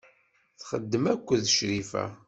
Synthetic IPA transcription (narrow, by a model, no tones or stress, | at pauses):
θχəd̪ːəmækʷːəðʃɾifæ̰